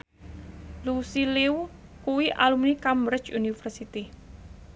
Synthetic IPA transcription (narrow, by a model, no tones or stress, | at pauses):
lusiliwkuwiʔalumnikambɾɪt͡ʃunifərsit̪i